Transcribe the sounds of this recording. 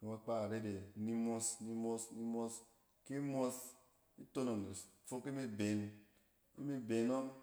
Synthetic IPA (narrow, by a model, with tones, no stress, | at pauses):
ke˨˦a˦k͡pa˦a˨ɾe˦de˨˦ni˦mo˦sni˦mo˦sni˦mo˦s | ke˦mʷ˦o˦s | i˦to˦no˨n˨e˨sfo˦ke˦me˦˨be˨n | i˦mi˦be˨no˦m